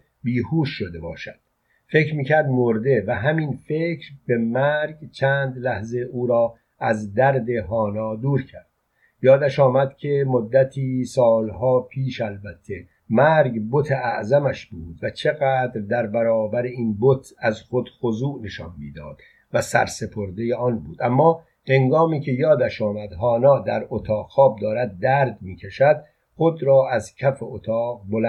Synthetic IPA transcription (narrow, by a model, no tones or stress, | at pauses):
biːhuːʃːod̪ebɒ̰ːʃæd̪̥ | fe̞cɾmiːcʰæɾd̪moɾd̪e̞væɦæminfe̞cʰɾbe̞mæɾɡt͡ʃʰæːnd̪læhze̞ʔuːɾɒː | æzd̪æɾd̪e̞ɦɒːnɒːd̪uːɾcʰæɾd̪̥ | jɒːd̪æʃɒːmæd̪̥kʲʰe̞mod̪ːæt̪ʰiːsɒːlɦɒːpʰiːʃælbæt̪ʰːe̞ | mæɾɡbot̪ʰeæʔzæmæʃbuːd̪væt͡ʃʰe̞ɣæːd̪ɾd̪æɾbæɾɒːbæɾeiːnbot̪ʰæzxod̪̥xozuːne̞ʃɒnmḭːd̪ɒ̰ːd̪̥ | væsæ̰ɾse̞pʰo̞ɾd̪e̞jeɒːnbuːd̪̥æmːɒː | he̞ŋɡɒːmiːcʰe̞jɒːd̪æʃɒːmæd̪ɦɒːnɒːd̪æɾot̪ʰɒːqxɒːb̚d̪ɒːɾæd̪̚ːæːɾd̪miːcʰeʃæd̪̥̚ | xo̞d̪ɾɒːʔæzcʲʰæfeʔot̪ʰɒːɣbol